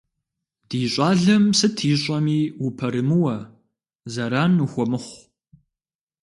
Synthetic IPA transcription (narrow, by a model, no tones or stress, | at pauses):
d̥iːɕʷʼɑːɮɐmsɨtʰiːɕʼɐmiːwupʰɐɾɨmɨwɐ | zɐɾaːnuxʷɔmɨχʷ